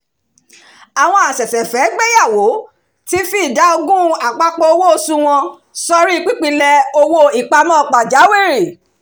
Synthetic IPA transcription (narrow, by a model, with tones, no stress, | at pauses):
a˨w̃ɔ̃˧a˨sɛ˨sɛ˨fɛ˨˦ɡ͡be˦ja˦˨wo˨˦ | ti˦fi˦˨da˨˦o˧ɡũ˦a˨k͡pa˧k͡po˧o˧wo˦o˧sũ˧w̃ɔ̃˧ | sɔ˧ɾi˦i˧k͡pi˦k͡pi˧lɛ˧o˧wo˧i˨k͡pa˧mɔ̃˦˨k͡pa˨d͡ʒa˨˦we˦˨ɾi˨